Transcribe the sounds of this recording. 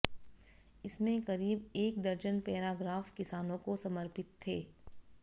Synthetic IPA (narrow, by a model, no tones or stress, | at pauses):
ɪsmẽkɐɾiːbeːk̚d̪ɐɾd͡ʒənpɛːɾaːɡɾaːfkɪsaːnõkosɐməɾpɪt̪ʰːeː